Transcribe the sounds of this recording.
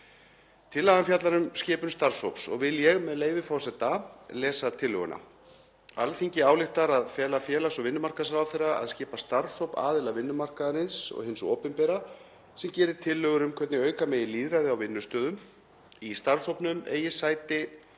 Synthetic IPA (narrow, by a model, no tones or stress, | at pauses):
t̪ʰɪlːaɣanfjat̪laɾʏmscɪːpʏnst̪aɾshowpsɔ̰ɣvɪljɛɣmɛðleːjvɪfɔwsɛt̪alɛːsat̪ʰɪlːœ̰ɣʏ̰nʔa̰ | alθiɲcɪaːwlɪht̪aɾaðfjɛːlafjɛːlasɔɣvɪnːʏmar̥kaðsɾaːwθejrːaa̰ðscɪːpast̪aɾsowpa̰ːðɪlavɪnːʏmar̥kaðaɾɪnsɔ̰ɣhɪnso̰ːpɛmpɛːɾa | sɛmcɛːɾɪ̥t̪ʰɪlːœɣʏɾʏmkʰvɛt̪nɪœːɥkamɛːjɪliːðɾajðɪawvɪnːʏst̪œːðʏm | ist̪aɾsowpnʏmḛːjɪsaːjt̪ɪ